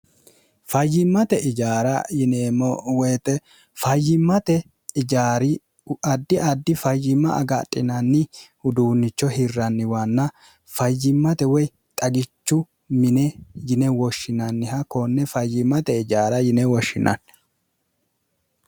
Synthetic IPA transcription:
fɐjːɪmːɐt̪ɛʔɪd͡ʒaːɾɐjɪneːmɔwɛjt̪ɛ | fɐjːɪmːɐt̪ɛ | ɪd͡ʒaːɾɪ | ɐd̪ːɪʔɐd̪ːɪfɐjːɪmːɐʔɐ̰ɡɐ̰tʼːɪnɐnːɪ | ʊd̪uːnːɪt͡ʃːɔhɪrːɐnːɪwɐnːɐ | fɐjːɪmːɐt̪ɛwɔj | t̪ʼɐɡɪt͡ʃːʊ | mɪnɛjɪnɛwɔʃːɪnɐnːɪhɐkɔnːɛfɐjːɪmːɐt̪ɛɪd͡ʒaːɾɐjɪnɛwɔʃːɪ̰nʔɐ̰n

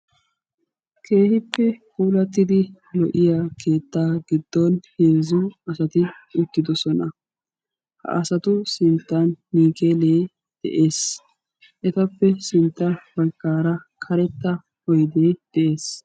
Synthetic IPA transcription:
kʰe̞ːhɪpːɛkuːlɐt̪ːɪd̪ɪ | lɔʔɪjaːkʰe̞ːt̪ːaːɡɪd̪̥ːɔnhe̞ːzʊɐsɐt̪ɪʊt̪ːɪd̪ɔsɔnɐ | hɐ̰ʔɐsɐt̪ʊsɪnt̪ːɐnːiːkeːleː | d̪̥ɛ̰ʔe̞ːs | ʔɛt̪ɐpːɛsɪnt̪ːɐb̥ɐkːaːɾɐkʰɐɾɛt̪ːɐ | hɔjd̪eːd̪̥ɛʔe̞ːs

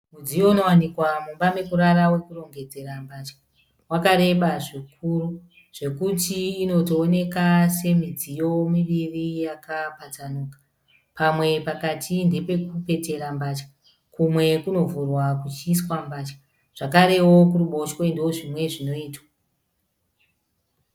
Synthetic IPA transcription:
mud͡zijo̞uno̞wanikwamumbame̞kuɾaɾawe̞kuro̞ŋɡe̞d͡ze̞ɾambaːt͡ʃḁ | wakaɾe̞ɓaʐik̚ʰuru | ʐ̥e̞kutiːno̞toːne̞kase̞mid͡zijo̞miʋirijakapat͡sanuːkḁ | pamwe̞pakatʰinde̞pe̞kupe̞te̞ɾambaːt͡ʃḁ | kumwe̞kuno̞vurwakut͡ʃiːswambaːt͡ʃḁ | ʐ̥akaɾe̞wo̞kuruɓo̞ʃweindwo̞ʐimwe̞ʐino̞iːtwa

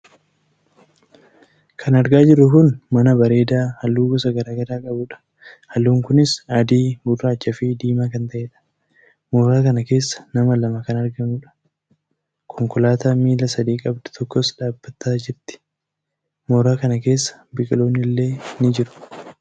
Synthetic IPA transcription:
kʰɐnɐɾɡaːd͡ʒɪɾːʊkʊnmɐnɐbɐɾe̞ːd̪aːhɐlːuːɡɔsɐɡɐɾaːɡɐɾaːkʼɐbʊᶑɐ̥ | hɐlːuːŋkʊnɪsɐd̪iːɡʊrːaːt͡ʃːɐfɪd̪iːmaːkɐnt̪ɐʔeːᶑɐ̥ | moːɾaːkɐnɐke̞ːsːɐ̥nɐmɐlɐmɐkɐnɐɾɡɐnuːᶑɐ̥ | kʰɔŋkɔlaːt̪aːmiːlɐsɐd̪iːkʼɐbd̪ʊ̥t̪ʰɔkːɔsᶑaːbːɐt̪ːaːd͡ʒɪɾt̪ɪ̥ | moːɾaːkɐnɐke̞ːsːɐ̥bɪkʼɪlo̞ːnːɪlːe̞ːnɪd͡ʒɪɾʊ̥

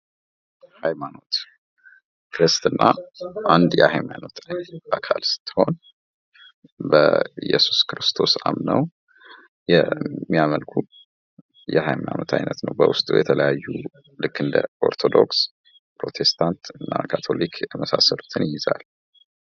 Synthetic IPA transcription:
hajmano̞t̪ | kʰɾɨst̪ɨnːaʔand̪jɛ̰hajmano̞t̪əɲakʰalsɨ̥t̪ːɨ̥ho̞n | bəjɛsu̥skɾɨst̪ʰo̞samnəw | jɛmːiaməlkʰu | jɛhajmaja̰not̪ʰajnət̪nəwbəwʊst̪ʼujɛt̪ʰələjajːu | lɨkːɨnd̪əʔo̞ɾt̪ʰo̞d̪o̞ks | pɾo̞t̪ʰe̞st̪ʰant̪ɨnːakʰat̪ʰo̞likʰjməsasəlu̥t̪ʰɨnjɪjɪzal

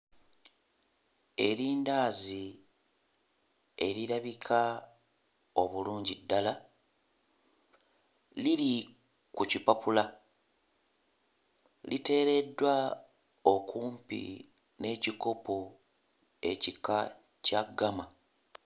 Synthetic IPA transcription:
e̞ɾiːndaːzi | e̞ɾiɾaβikʰa | o̞βuluːɲɟidːala | liɾi | kucipapula | lite̞ːɾe̞dːwa | o̞kuːmpḭ | ne̞ːciko̞po | e̞̰cika | caɡama

